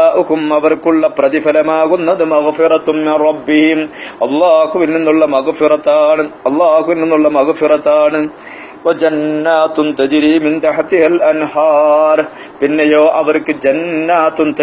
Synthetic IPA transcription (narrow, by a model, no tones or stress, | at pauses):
aːʔukumɐʋɐrkuɭːɐprɐðifɐlɐmaːɣunːɐðɨmɐɣfɪɾɐt̪mɪnrˤɑbːihimɐlˤːɑːhuʋilninːuɭːɐmɐɣfiɾɐt̪ːaːɳɨɐlˤːɑːhuʋilninːuɭːɐmɐɣfiɾɐt̪ːaːɳɨ | wɐd͡ʒɐnːaːt̪unt̪ɐd͡ʒɾiːmint̪ɐħat̪ihɐlɐnhaːɾ | pinːejoːʔɐʋɐrkɨd͡ʑɐnːaːt̪unt̪ɐ